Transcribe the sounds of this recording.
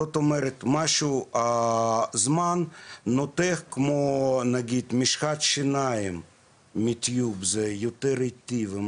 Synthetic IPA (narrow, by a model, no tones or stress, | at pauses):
ot̪ɔmɛɾɪt̪ʲmaʃʊ | zmannɔt̪ɛxkmonɐɡʲit̪ʲmʲiʃxat̪ʃɪnajɪm | mʲɪt̪ʲjubzɛjut̪ɛɾɪt̪ʲiʋɪm